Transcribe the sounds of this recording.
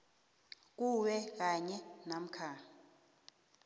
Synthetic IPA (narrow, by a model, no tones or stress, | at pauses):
k̬uwɛk̬aɲɛnam̩kʰa